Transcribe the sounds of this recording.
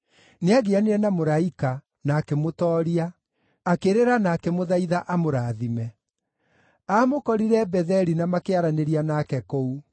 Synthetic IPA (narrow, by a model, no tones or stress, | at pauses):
neaɣeaneɛnamoɾaika | naːkemotɔːɾia | akeɾeɾanaːkɛmoðaiðaʔamoɾaːðimɛ | amokɔɾiɾɛbɛðɛɾinamakeaɾaneɾianakɛkou